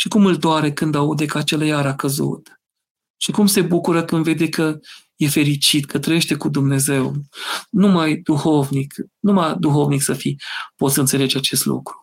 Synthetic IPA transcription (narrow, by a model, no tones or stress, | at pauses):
ʃikumɨld̪oaɾekɨnd̪aud̪e̞kəat͡ʃe̞lajaɾakəzṵt̪ | ʃikumse̞bukuɾəkɨnd̪ve̞d̪e̞kə | je̞fe̞ɾit͡ʃit̪kʰət̪ɾəje̞ʃt̪e̞kud̪umne̞ze̞wnumajd̪uxo̞vniknumajd̪uxo̞vniksəfipo̞t̪sɨnt̪se̞le̞d͡ʒeat͡ʃe̞st̪lṵkɾu̥